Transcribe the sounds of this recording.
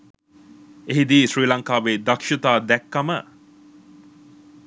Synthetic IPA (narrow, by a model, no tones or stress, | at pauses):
eɦid̪iːʃɾiːlɐŋkaːʋeːd̪ɐkʃit̪aːd̪ɛkːɐmə